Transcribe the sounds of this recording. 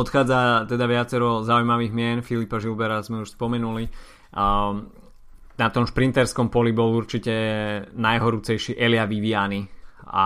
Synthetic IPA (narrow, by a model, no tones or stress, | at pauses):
ɔt̪xaːd͡zat̪ɛd̪aʋɪat͡sɛɾɔzaujmaʋiːɣmɪɛnfilipaʒilbɛɾazmɛuʃspɔmɛnuli | nat̪ɔmʃpɾint̪ɛɾskɔmpɔlibɔluɾt͡ʃicɛnajɦɔɾut͡sɛjʃiʔɛlɪaʋiʋiaːnia̰